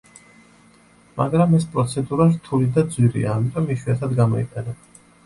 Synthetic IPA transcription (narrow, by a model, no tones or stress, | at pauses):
ma̰ɡɾamɛspʼɾɔt̪sʰɛd̪uɾaɾt̪ʰulid̪ad̪zwiɾḭa̰ːmit̪ʼɔmiʃwiat̪ʰad̪ɡamɔḭq̪ʼɛnɛ